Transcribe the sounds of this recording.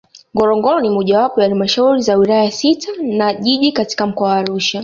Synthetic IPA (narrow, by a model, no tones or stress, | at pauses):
ŋɡɔɾɔŋɡɔɾɔnimɔʄawapɔjahalimaʃauɾizawilaajasitʰanaʄiʄikati̥kam̩kɔawaːɾuʃa